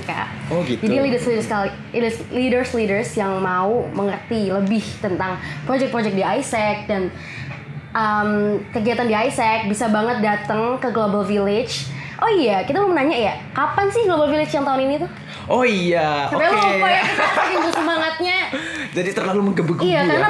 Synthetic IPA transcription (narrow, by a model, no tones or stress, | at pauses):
ka̰ʔoɡit̪d͡ʒadilidərslidərskali | əslidərslidərsjaŋmauməŋərt̪iləbɪht̪ənt̪aŋpɾod͡ʒɛk̚pɾod͡ʒɛk̚diajsɛk̚dan | ʔəmkəɡiɦat̪andiajsɛk̚bisabaŋət̪̚dat̪əŋkəɡlobalfilɪt͡ʃ | ʔoijakit̪aməmənaɲaʔja | kapansɪhɡlobalfilɪt͡ʃjaŋt̪aʊninit̪u | ʔoijasapajlapaɡapakɪŋd͡ʒ̪usəmaŋat̪̚ɲad͡ʒadit̪ərlaluməŋɡəbuɡiakaɾna